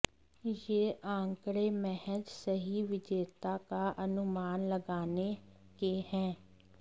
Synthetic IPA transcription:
jeːʔãːŋkɽeːmɛhəd͡ʒsəɦiːʋɪd͡ʒeːt̪aːkaʔənʊmaːnləɡaːne | keːhɛ̃ː

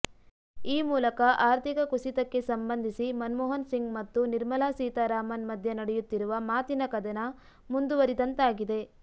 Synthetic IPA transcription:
iːmuːlɐkɐʔaːɾt̪ʰikɐkuʃit̪ɐkːe̞sɐmbɐnd̪ʱisimɐnmɔːɦɐnsiŋɡmɐt̪ːuniɾmɐlaːsiːt̪ɐɾaːmɐnmɐd̪ʱjɐnɐɽɛjut̪ːiɾuʋɐmaːt̪inɐkɐd̪ɐnɐ | mund̪uʋɐɾid̪ɐnt̪aːɡid̪e̞

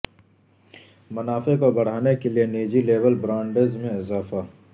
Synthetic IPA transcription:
mɐnaːfekobɐɽ̤aːnekelieneːd͡ʒileːbəlbɾãːɳɖeːzmẽɪzaːfaː

